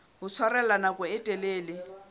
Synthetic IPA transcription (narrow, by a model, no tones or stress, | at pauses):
ɦʊt͡sʰwarɛlanakʼʊɪtʼɛleːlɪ